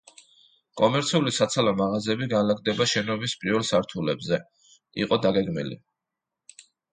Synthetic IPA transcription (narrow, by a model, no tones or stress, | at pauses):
kʼɔmɛɾt̪sʰiulisat̪sʰalɔmaʁazɛbiɡanlaɡd̪ɛbaʃɛnɔbispʼiɾvɛlˠsaɾt̪ʰulɛbzɛ | ḭqʼɔd̪aɡɛɡmḭlḭ